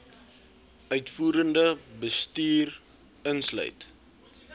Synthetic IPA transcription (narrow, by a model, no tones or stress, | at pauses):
œɥtfuːɾəndəbəstiːr | ənslœ̰ɥt